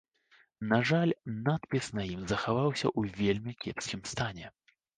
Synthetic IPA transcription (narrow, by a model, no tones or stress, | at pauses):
naʐalʲnat̪pʲisnɐjimzɐxavawsʲɐʔuvʲelʲmʲikʲɛpskʲimst̪anʲɛ